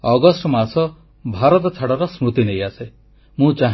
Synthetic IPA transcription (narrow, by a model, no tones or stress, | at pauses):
ɔɡɔsʈɔmasɔ | bʱaɾɔt̪ɔt͡ʃʰaɽɔɾɔsmut̪inejase | mũt͡ʃaɦ